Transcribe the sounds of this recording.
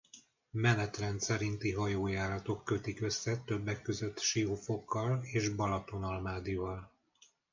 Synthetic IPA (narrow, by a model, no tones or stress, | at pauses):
mɛnɛt̪rɛnt̪sɛɾint̪iɦɒjoːjaːɾɒt̪o̞kːø̞t̪ikø̞sːɛt̪øbːɛkːø̞zø̞t̪ːʃiofo̞kːɒleːʒbɒlɒt̪o̞nɒlmaːd̪ivɒl